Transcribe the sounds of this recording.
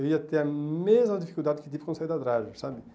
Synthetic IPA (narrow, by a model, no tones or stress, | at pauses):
viat̪ɛamɛzɑ̃d̪ifikylt̪ad̪əkit̪ipkɔ̃sɛjd̪ad̪ɾaʒsabi